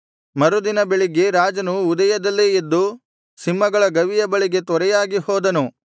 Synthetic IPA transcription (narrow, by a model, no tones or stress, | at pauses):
mɐɾud̪inɐbeɭiɡe̞ɾaːd͡ʒɐnuːd̪ɐjɐd̪ɐlːeed̪ːu | simːɐɡɐɭɐɡɐʋijɐbɐɭiɡe̞t̪ɔɾɛjaːɡihɔːd̪ɐnu